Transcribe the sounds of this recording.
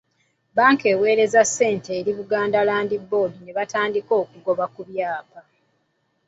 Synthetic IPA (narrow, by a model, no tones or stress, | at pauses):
baːŋke̞ːwe̞ːɾe̞zasːe̞ːnteːɾiβuɡaːndalaːndibːo̞ːdine̞βataːndiko̞ːkuɡo̞βakuβjaːpa